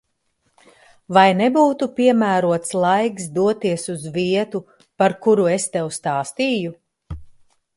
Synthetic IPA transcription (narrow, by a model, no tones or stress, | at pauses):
vajnɛbuːt̪upiɛmæːɾuɔt̪slˠajksd̪uɔt̪iɛsuzviɛt̪u | paɾkuɾuest̪ɛwst̪ɑːst̪iːju